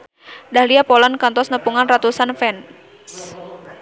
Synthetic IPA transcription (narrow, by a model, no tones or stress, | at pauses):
dahliapɔlankɔnt̪ɔsnəpuŋanrat̪usanfɛn | s